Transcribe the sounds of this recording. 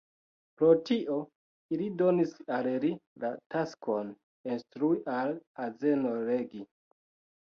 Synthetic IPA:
pɾo̞tiʔo | ilido̞nisalɾilataskʰon | instɾuiʔalaze̞noɾeɡi

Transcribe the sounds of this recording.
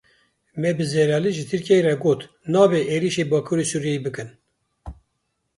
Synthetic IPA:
mɛbɨzɛɾɑːliʒɨt̪ʰɨɾkijɛiɾɛɡoːt̪ | nɑːbɛʔeːɾiʃeːbɑːkʰuɾesuːɾjɛjibɨkɨn

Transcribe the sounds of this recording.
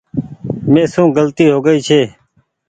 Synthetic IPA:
mẽːsũːɡəlt̪iːɦoːɡəiːt͡ʃʰeː

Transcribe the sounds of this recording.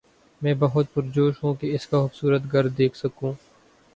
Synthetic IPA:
mɛ̃ːbɐɦʊt̪̚pʊɾd͡ʒoːʃɦũːkeɪskaxʊbsuːɾət̪ɡɐɾd̪d̪eːkʰsɐkũː

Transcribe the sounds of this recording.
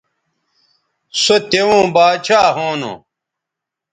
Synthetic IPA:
sot̪ewũːbaːt͡ɕʰaːɦoːno̰

